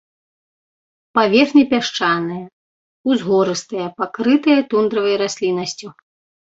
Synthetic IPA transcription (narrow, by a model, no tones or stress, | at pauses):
pavʲɛxnʲipʲaʂt͡ʂanɨjɐ | uzɣɔɾɨst̪ɨjɐpakɾɨt̪ɨjɐt̪und̪ɾɐvɐjɾasʲlʲinɐsʲt͡sʲu